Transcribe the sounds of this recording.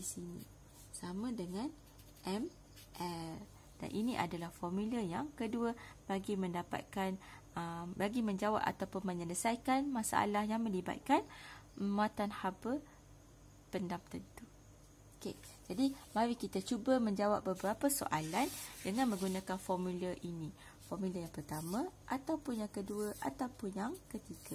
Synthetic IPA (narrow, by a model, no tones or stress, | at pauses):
disinḭ̃ | samãdəŋãn | ʔɛm | ʔɛl | d̥a̰nʔinĩʔa̰dalahfɔrmiləjaŋkəduəb̥aɡimə̃ndapa̰t̪̚kanəmbaɡimə̃ɲd͡ʒawa̰p̚a̰t̪awpʊnmə̃ɲələsajkanmãsa̰ʔa̰lahjaŋmə̃liba̰t̪̚kan | muat̪anhabə | pəndamt̪ənt̪u | oked͡ʒadimãɾikit̪at͡ʃubəmə̃ɲd͡ʒawap̚bəbəɾapaso̰ʔa̰landəŋãnmə̃ŋɡunãkanfɔrmuləʔinĩ | fɔrmiləjaŋpərt̪amãʔat̪awpʊnjaŋkəduəʔat̪awpʊnjaŋkət̪iɡa